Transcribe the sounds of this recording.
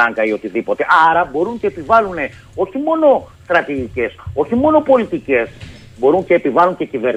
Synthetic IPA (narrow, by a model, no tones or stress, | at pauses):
ɐŋɡɐio̞t̪iðipo̞t̪e̞ʔɐɾɐbo̞ɾuɲceepivɐlune̞ | o̞çimo̞no̞st̪ɾɐt̪iʝice̞so̞çimo̞no̞po̞lit̪ice̞s | bo̞ɾuŋceːpivɐluɲce̞cive̞ɾ